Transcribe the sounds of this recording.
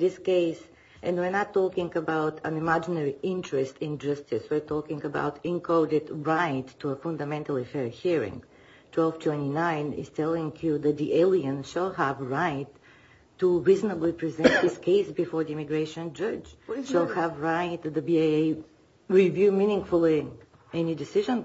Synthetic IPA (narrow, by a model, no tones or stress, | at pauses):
ðɪskeɪs | ʔɛ̃nwɪɹnətʰːɔkɪ̃ŋəbaʊtʰə̃nɪmæd͡ʒɪnɛɹiɪ̃ntɹɨstɪ̃nd͡ʒʌstɪswɨɹtʰɔkɪ̃ŋəba̰ʊtɪ̃nkʰoʊɾɪdɹaɪtʰːuəfʌ̃nd̪əmɛ̃ntəlˠifɛɹhiɹɪ̰̃ŋɡ | tʰwɛlˠv̥tʰw̥ɛ̃ntinãɪ̃nɪ̰z̥tʰɛlˠɪ̃ŋjuðɨt̪̚d̪iʔeɪlˠiə̃nʃəlˠɦəvɹaɪtː | uɹiznəblipɹizɛ̃nt̪ðɪskʰeɪsbɪfɔɹðiɪmɪɡɹeɪʃə̃nd͡ʒʌd͡ʒʃəlˠhəvɹaɪtðəbiae | ɹivjʉmĩnɪ̃ŋɡfʊl̩ˠi | ɛnidɪsɪʒə̃n